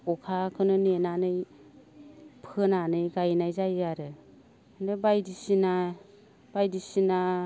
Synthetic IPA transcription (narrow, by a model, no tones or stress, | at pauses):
ɔkʰakʰɯnɯnenanɯj | pʰɯnanɯjɡajnajzajaɾɯ | ndebajdisina | b̥ajdisina